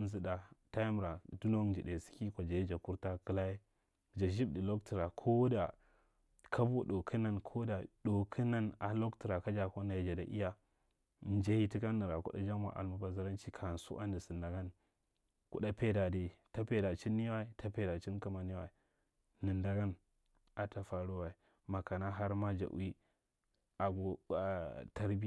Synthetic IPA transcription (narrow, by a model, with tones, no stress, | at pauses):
n˦˨zi˨da˨ta˦ji˦m˨ɾa˨du˦no˦d͡ʒi˨ɗe˨si̥˦ki˦kʷa˨d͡ʒa˨ji˦d͡ʒa˨ku˦ɾta˦kɨ˦la˦je˦ | d͡ʒa˨ʒi˦bdi˨lo˦k̚ti˨ɾa˨kʰo˦da˨ | kʰa˦bu˦ɗo˨kʰə˦na˦nkʰo˦da˨do˨kʰi˦na˦na˨lo˦kti˨ɾa˨ka˦d͡ʒa˨ko˦na˨ji˨d͡ʒa˨da˨ʔḭ˦ja˦˨ | n˦d͡ʒa˦hi˦ti˦ka˦nːi˨ɾa˨kṵ˦ɗa̰˦d͡ʒa˦m˦a̰˨ʔa̰˨lmu˦ba˨za˦ɾa˦nt͡ʃi˦kʰa˨n˨sṵ˦ʔa̰˦ndi˨si˨nda˨ɡa˦n | kṵ˦ɗa˦pe˦da˨di˨ta˦pe˨da˨t͡ʃi˦nːi˦wa˦i˦ta˦pe˨da˨t͡ʃi˦nka˦ma˨ni˦wa̰˨i˨ | nɨ˨nda˨ɡa˦n | a˨ta˨fa˨ɾu˦wa˨i˨ | ma˨ka˨na˦ɦa˦ɾma˦d͡ʒa̰˨ʔṵ˦i˦ | a˨ɡo˨ | ta˦ɾbi˦˨